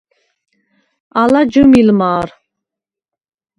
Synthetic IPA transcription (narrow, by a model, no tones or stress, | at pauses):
alad͡ʒumilmaːɾ